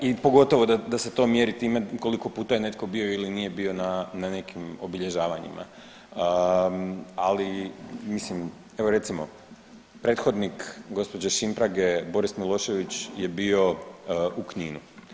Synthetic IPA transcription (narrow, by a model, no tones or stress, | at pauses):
ipo̞ɡo̞t̪o̞ʋod̪ad̪ase̞t̪o̞ːmjeɾit̪iːmeko̞liko̞puːt̪aje̞ne̞t̪̚ko̞bio̞ilinije̞bio̞nanane̞kimo̞biʎe̞ʒaːʋaɲḭma̰ | alimislim | e̞ʋo̞ɾe̞t̪simo̞̰ | pɾe̞t̪xo̞d̪nikɡo̞spo̞d͡ʑeʃimpɾaɡe̞bo̞ɾismilˠo̞ːʃe̞ʋit͡ɕje̞bio̞ukɲiːnu